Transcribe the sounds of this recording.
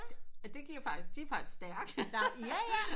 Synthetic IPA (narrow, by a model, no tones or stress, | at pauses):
æd̥e̝kʰiɐjofɑ̈ɡ̥isɡ̥̚d̥iæɐfɑ̈ɡ̥isɡ̥sd̥æɐɡ̥æj